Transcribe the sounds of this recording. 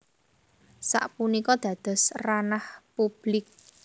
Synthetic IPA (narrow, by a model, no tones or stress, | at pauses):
sa̰ʔpunikɔd̪̥ä̤d̪̥ɔ̤sranahpub̥lɪk̚